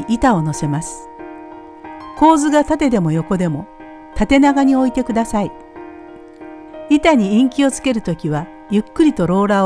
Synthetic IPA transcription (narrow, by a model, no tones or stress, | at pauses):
it̪ao̞no̞se̞masɨ̥ | ko̞ːzɨɡat̪at̪e̞d̪e̞mo̞jo̞ko̞d̪e̞mo̞ | t̪at̪e̞naɡaɲ̟io̞it̪e̞kɯ̟d̪asai | it̪aɲ̟iĩŋkʲio̞t͡sɨ̥ke̞ɾɯ̟t̪o̞kʲiβa | jɯ̟kːɯɾʲit̪o̞ɾo̞ːɾa